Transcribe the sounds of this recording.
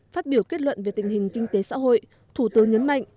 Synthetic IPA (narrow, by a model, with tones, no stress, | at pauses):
faː˦˥t̚ɓi˧˩əwke˦˥t̚lwə̰˧˨nve˨˩t̪ï˨˩ŋ̟hï˨˩ŋ̟kï˧ŋ̟t̪e˨˦sa̰ː˧˥ɦo̰˧˨j | t̪ʰu˧˩t̪ɨ˨˦ŋɲə˨˦nma̰˧˨jŋʔ